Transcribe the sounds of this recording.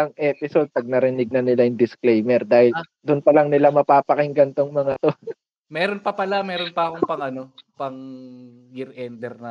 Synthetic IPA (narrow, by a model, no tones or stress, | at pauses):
ɐŋʔɛːpɪso̞d̪̚pɐɡ̚nɐɾɪnɪɡ̚nɐnɪlajʊŋd̪ɪsklejmɛɾd̪aːhɪl | d̪ʊnpɐlɐŋnɪlamɐpaːpɐkɪŋɡɐnt̪oŋmɐŋat̪o | mɛːɾonpɐpɐlamɛːɾonpɐɐkoŋpɐŋʔɐno̞pɐŋ | jɪɾʔɛnd̪ɛɾnɐ